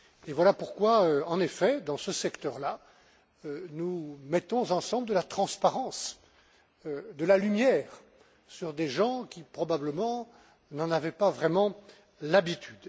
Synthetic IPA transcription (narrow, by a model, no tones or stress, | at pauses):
evwalapuʁkwaøɑ̃nefɛd̪ɑ̃səsɛkt̪œʁla | ønumɛt̪ɔ̃zɑ̃sɑ̃bld̪əlat̪χɑ̃spaʁɑ̃s | ød̪əlalymjɛːʁ | syʁd̪eʒɑ̃kʲipχɔbabləmɑ̃ | nɑ̃navɛpavʁɛmɑ̃ | labit̪ʰyd̪